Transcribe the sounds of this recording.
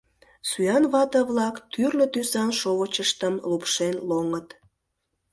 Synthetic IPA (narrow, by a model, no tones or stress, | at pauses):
suyjɑnβɑt̪əβlɑkt̪yrlət̪ysɑnʃoβət͡ɕəʃt̪əmlupʃenloŋət̪